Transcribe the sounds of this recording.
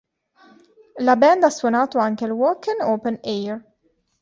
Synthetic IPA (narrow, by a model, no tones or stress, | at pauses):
lɐbɛnd̪ɐswʊnɐːt̪uɐŋkɛlwɔːkɪnoːpɛnʔɛːɾ